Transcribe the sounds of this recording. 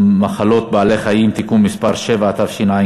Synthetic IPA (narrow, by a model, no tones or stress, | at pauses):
maχalo̞t̪̚baːle̞χajimt̪ikumispaʁʃe̞vaːt̪avʃinaji